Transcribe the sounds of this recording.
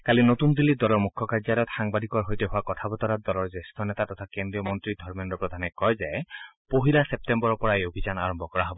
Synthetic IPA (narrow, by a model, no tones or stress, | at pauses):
kalinot̪und̪ilːid̪ɔlɔmukʰːɔkaɾd͡ʒaɾɔt̪xaŋbad̪ikɔɾɦojteɦoakɔt̪ʰabɔt̪ɔɾad̪ɔlɔɹd͡ʒest̪ʰɔnet̪at̪ɔt̪ʰakend̪ɾiɔmɔnt̪ɾid̪ʱɔɹmenɾɔpɾɔd̪ʱanɛkɔjd͡ʒaepoɦilasep̚tembɔɾɔpɔɾaeobʱid͡ʒanaɾɔmbʱɔkɔɹaɦɔbɔ